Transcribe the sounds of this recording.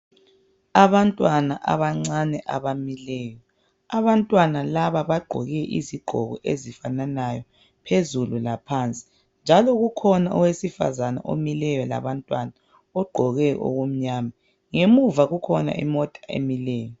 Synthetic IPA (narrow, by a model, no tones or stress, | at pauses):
aβantʼwanaʔa̰βaŋ͡ǀanɛʔaβamilɛːjɔ | aβantʼwanalaβaβaɡ͡ǃʱɔ̰ɣɛʔḭziɡ͡ǃʱɔ̰ɣɔʔezifananajɔ | pʰezululapʰant͡sʼi̥ | nd͡ʒʱalɔɣukʰɔnaʔɔwesifa̰zana̰ʔo̰milɛjɔla̰βantʼwana | ɔɡ͡ǃʱɔɣɛʔo̰ɣum̩ɲaːma | ŋemuvaɣukʰɔna̰ʔḭmɔtʼaḛmilɛːjɔ